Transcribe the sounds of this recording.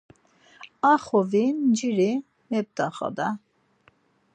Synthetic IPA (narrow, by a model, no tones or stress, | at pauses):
aχɔvind͡ʒiɾi | mɛp̚t̪ʼaχa̰d̪a